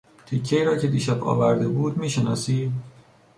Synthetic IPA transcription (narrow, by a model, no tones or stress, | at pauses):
t̪ʰicʰːejːɾɒːcʰe̞d̪iːʃæbɒ̰ːvæɾd̪ebuːd̪miːʃenɒ̰ːsiː